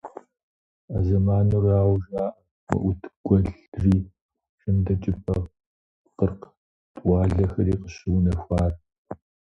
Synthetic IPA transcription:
azɐmaːnuːraːwʒaːʔɐ | mɐ̰ʔʷʊtʰɡ̥ʷɔɮriː | ɕɪmdɐt͡ʃʼɪpʰʼɐ | qərq | tʼʷɑːɮɐxɐɾiːqəɕɪwnɐxʷaːr

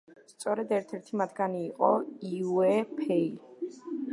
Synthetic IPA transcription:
st̪sʼɔɾɛd̪ɛɾt̪ʰɛɾt̪ʰimat̪ʰɡaniːqʼɔiwɛpʰɛi

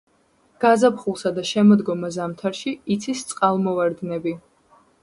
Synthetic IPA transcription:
ɡ̥azapχulˠsad̪aʃɛmɔd̪ɡɔmazamt̪ʰaɾʃiːt̪sʰist̪sʼqʼalˠmɔvaɾd̪nɛbi

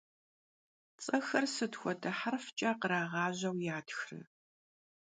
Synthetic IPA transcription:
t͡sʼɐxɐrsɨtxʷɔdʰɐħarft͡ʃʼɐqəɾaːʁɑːʑɐwjaːtxrɨ̰

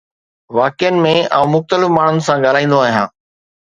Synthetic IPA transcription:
ʋaːkɪjənɪ̆mẽɐ̃ũmʊxt̪əlɪfmaːɳ̤ʊnɪ̆sãɠaːl̤aːĩːnd̪oaːɦijãː

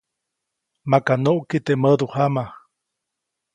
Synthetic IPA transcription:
makanoʔkit̪eʔməd̪uhama

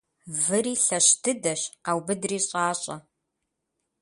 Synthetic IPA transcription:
vɨɾiːɬɐɕtʰɨdɐɕaːwbɨdriːɕʼaːɕʼɐ

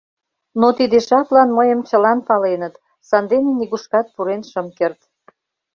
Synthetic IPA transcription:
not̪id̪eʃɑplɑnməjəmt͡ɕəlɑnpɑlenət̪ | sɑnd̪eneniɣuʃkɑt̪̚puɾenʃəmkert̪

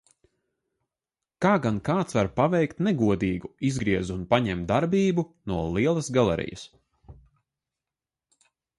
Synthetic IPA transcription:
kaːɡankaːt̪svaɾpavɛjkt̪nɛɡuɔd̪iːɡuizɡɾiɛzunpaɲɛmt̪d̪aɾbiːbunuɔlˠiɛlˠɐsɡalˠɛ̰ɾḭjə̰s

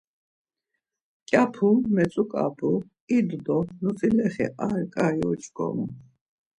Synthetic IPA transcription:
kʼjapʰummɛt͡sʼukʼa̰pʰu | id̪d̪ɔnut͡sʼilɛχɛ̰ʔaɾkʼajɔt͡ʃʰʼɡɔ̰mu

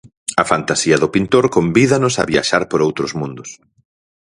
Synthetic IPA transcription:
ɐfant̪asiɐðʊpint̪oɾkombiðɐnʊsɐ̰βia̰ʃaɾpoɾowt̪ɾʊzmũnd̪ʊs

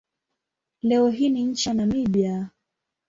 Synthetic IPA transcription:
lɛɔɦiniɲ̩t͡ʃanamiɓja

